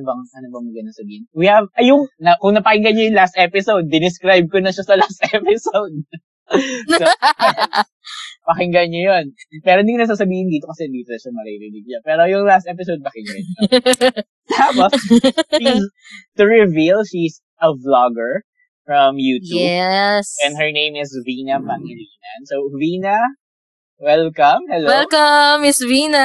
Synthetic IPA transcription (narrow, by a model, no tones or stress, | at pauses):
bɐŋɐnɐbɐŋmɐɡɐnɐsɐbiːhɪnwihɐvɐjʊŋnɐkʊŋnɐpɐkɪŋɡɐɲojʊŋlast̪ʔɛpɪsowd̪̚ːɪnɪskɾajb̚konɐʃasɐlast̪ɛpɪsowd̪̚ | so | pɐkɪŋɡɐnɲojonpɛːɾoʔɪnd̪ikːnɐs̬aːs̬ɐbiːhɪnd̪iːt̪okɐsɛɪnd̪iːt̪onɐʃɐmɐɾɪɾɪlɪɡ̚ɲapɛːɾojʊŋlast̪ʔɛpɪsod̪̚pɐkɪŋɡɐ̰ɲo | habɐʃis | t̪ʊɹɪvilʃis | ʔɐvlɔɡɛɹ | fɹɐmjut̪uɛbsɛ̃nd̪hə˞nẽjmɪsviːnɐmɐŋɪlinɐnsoviːnɐ | wɛlkɐmhɛlowɛlkɐmːɪsvinɐ